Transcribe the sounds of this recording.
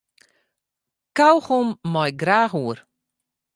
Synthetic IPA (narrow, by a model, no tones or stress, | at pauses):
kawxumːɔjɡɾaɦuːɾ